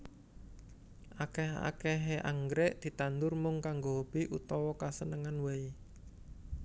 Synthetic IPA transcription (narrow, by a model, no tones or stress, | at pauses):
ʔakɛɦa̰kɛɦeʔa̰ŋɡɾɛʔd̪̥i̤t̪and̪ʊrmʊŋkaŋɡob̥i̤ʔut̪ɔwɔkasənəŋanwei